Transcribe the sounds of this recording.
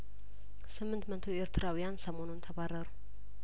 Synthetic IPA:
sɨmːɨnt̪mət̪ʰo̞e̞ɾt̪ʰɨɾʔawijansəmo̞nunt̪ʰəβarːəɾu

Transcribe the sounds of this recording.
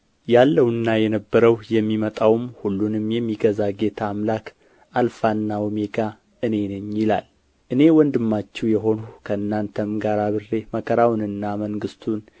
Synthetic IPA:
jalːəwnːajɛnəbːəɾəwjɛmːimət̪ʼawmhulːunɨmjɛmːiɡəzaɡe̞t̪ʰaːmlak | alfanːawmeɡa | ɨne̞nɨɲːilal | ʔɨne̞wɔnd̪ɨmːat͡ʃːɛwjɛɦo̞nukʰəɨnːant̪ʰəmɡaɾaβɨre̞məkʰəɾawnɨnːaməŋɡɨst̪ʰun

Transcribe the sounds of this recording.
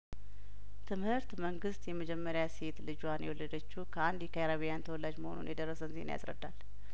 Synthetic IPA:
t̪ʰɨmhɨɾt̪məŋɡɨst̪jɛməd͡ʒɛmːəɾjase̞t̪lɨd͡ʒwanjɛwɔlːəd̪ət͡ʃːukʰəand̪jɛkʰəjaɾaβijant̪ʰəwɔlːad͡ʒməho̞nṵnjɛd̪ərːəsənzḛn̰ja̰sɾə̰d̪ːal

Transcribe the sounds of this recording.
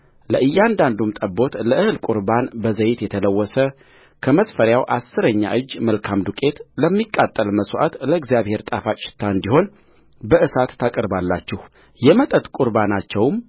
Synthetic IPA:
ləʔɨjːand̪and̪umt̪ʼəbːo̞t̪ləʔɨhɨlkʼuɾbanbəzəjɪt̪jɛt̪ʰələwːɔsə | kʰəməsfəɾjawʔasːɨɾəɲːa̰ʔɨd͡ʒːməlkʰamd̪ukʼe̞t̪ləmːikʼːat̪ʼːəlməsʼwʔa̰t̪ləɪɡzijaβhe̞ɾt̪ʼafat͡ʃʼɪ̥t̪ʰːaɨnd̪iho̞n | bəʔɨsat̪ːakʼəɾbalːat͡ʃːɪh | jɛmət̪ʼət̪kʼuɾbanat͡ʃːɛwm

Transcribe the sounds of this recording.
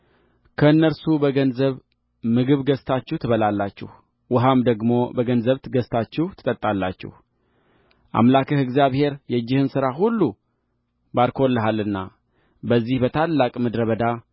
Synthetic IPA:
kʰəɨnːəɾsubəɡənzəβ | mɨɡɨβɡəst̪ʰat͡ʃːɛht̪ʰɨβəlalːat͡ʃːɪ̰h | wəɦamd̪əɡmo̞bəɡənzəβt̪ʰɨɡəst̪ʰat͡ʃːɛht̪ʰɨ̥t̪ʼət̪ʼːalːat͡ʃːɪ̰h | ʔa̰mlakʰəhɨɡzijaβhe̞ɾjɛd͡ʒːɪhɨnsɨɾaɦulːu | baɾkʰolːəɦalːɨnːa̰ | bəzːihbət̪ʰalːakʼməd̪ɾəβəd̪a

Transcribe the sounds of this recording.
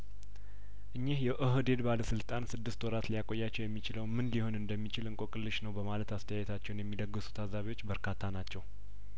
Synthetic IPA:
ʔɨɲːehjɛʔɨɦd̪e̞d̪baləsɨlt̪ʼansɨd̪ːɨst̪wɔɾat̪lijakʼo̞jːat͡ʃːɛwjɛmːit͡ʃɪləwmɨnliho̞nɨnd̪əmːit͡ʃɪlɨŋkʼo̞kʼɨlːɨʃnəwbəmalət̪ast̪ʰəjajɛt̪ʰat͡ʃːɛwnjɛmːid̪əɡːɨsu̥t̪ʰazaβiwo̞t͡ʃːbəɾkʰat̪ʰːanat͡ʃːɛw

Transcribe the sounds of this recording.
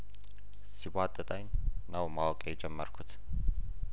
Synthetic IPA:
sibat̪ʼːət̪ʼajnnəwmawkʼjɛd͡ʒɛmːəɾkʰut̪

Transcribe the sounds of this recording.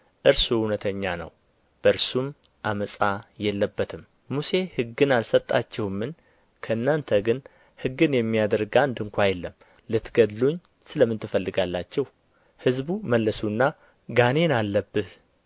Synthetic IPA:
ʔɨɾsuhunət̪ʰəɲːanə̰w | b̥əɨɾsum | ʔaməsʼajɛlːəbːət̪ʰɨm | muse̞hɨɡɨnalsət̪ʼːat͡ʃːɛwmːɨn | kʰəɨnːant̪ʰəɡɨn | hɨɡːɨnjɛmːijad̪əɾɡand̪ɨŋkʷʰajɛlːəm | lɨt̪ɡəd̪loɲː | sɨləmɨnt̪ʰɨfəlːɨɡalːat͡ʃːɛw | hɨzbuməlːəsunːa | ɡane̞nalːəbːɨh

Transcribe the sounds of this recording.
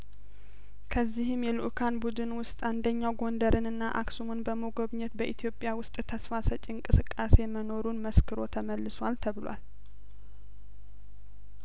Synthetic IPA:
kʰəzːihɨmjɛlṵʔkʰanbud̪ɨnwʊst̪ʼand̪əɲːawɡo̞nd̪əɾɨnɨnːaʔa̰ksumɨnbəmoɡo̞βɲɛt̪bəʔit̪ʰjo̞pʼjawʊst̪ʼt̪ʰəsfasət͡ʃʼɪɨŋkʼɨsɨkʼːase̞məno̞ɾunməskɨɾo̞t̪ʰəməlːɨswalt̪ʰəβɨlwa̰l

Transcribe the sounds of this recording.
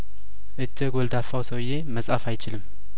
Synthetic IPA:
ʔɨd͡ʒːəɡʷɔld̪afawsəwje̞məsʼafajt͡ʃɪlɨm

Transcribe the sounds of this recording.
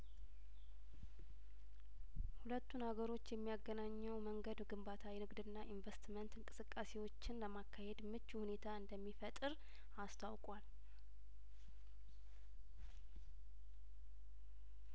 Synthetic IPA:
hulət̪ːunhaɡəɾo̞t͡ʃːjɛmːijaɡːənaɲːəwməŋɡəd̪ɡɨmbat̪ʰawɛnɨɡd̪ɨnːaʔiɱvəst̪mənt̪ɨŋkʼɨsɨkʼːase̞wo̞t͡ʃːɪnləmakʰːahe̞d̪mɨt͡ʃːuhune̞t̪ʰaɨnd̪əmːifət̪ʼɨɾ | ast̪ʰawkʼwal

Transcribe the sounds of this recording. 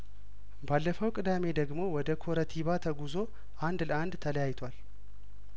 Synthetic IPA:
balːəfəwkʼɨd̪ame̞d̪əɡmo̞wɔd̪əkʰoɾət̪ʰiβat̪ʰəɡuzo̞ | ʔand̪land̪t̪ʰələjajɪt̪ʰwal

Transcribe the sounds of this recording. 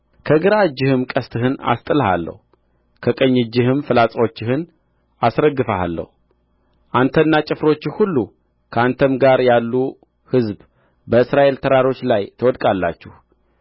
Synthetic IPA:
kʰəɡɨɾad͡ʒːɪhɨmkʼəst̪ʰɨɦɨna̰st̪ʼɨlha̰lːə̰hu | kʰəkʼəɲːɨd͡ʒːɪhɨmfɨlat͡sʼwo̞t͡ʃːɪhɨn | ʔasɾəɡɨfəa̰lːə̰hu | ʔant̪ʰənːat͡ʃʼɪfɾo̞t͡ʃːɪhulːu | kʰəant̪ʰəmɡaɾjalːu | hɨzb | bəɨsɾaʔe̞lt̪ʰəɾaɾo̞t͡ʃːlajt̪ʰəwɔd̪kʼalːa̰t͡ʃːɪh

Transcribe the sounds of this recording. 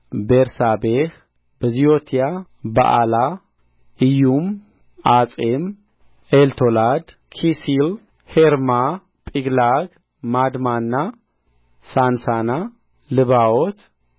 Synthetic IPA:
beɾsabeh | bəziot̪ʰija | ba̰ʔa̰la | ʔɨjum | at͡sʼem | elt̪ʰolad̪ | kʰisil | heɾma | pʼiɡlaɡ | mad̪manːa | sansana | lɨβawot̪

